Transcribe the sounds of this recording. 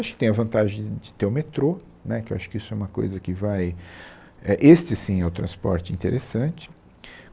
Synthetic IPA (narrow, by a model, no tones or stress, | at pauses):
aʃʊkɪ̥t̪ẽj̃ɐvɐ̃nt̪aʒẽj̃d͡ʒɪt̪eɾʊmet̪ɾo | nɛkɪewaʃʊ̥kɪisʊɛũmɐko̰jzɐkɪvaj | ɛʔest͡ʃɪsĩɛʊt̪ɾɐ̃spɔ̰ɾt͡ʃɪĩnt̪eɾesɐ̃nt͡ʃɪ̥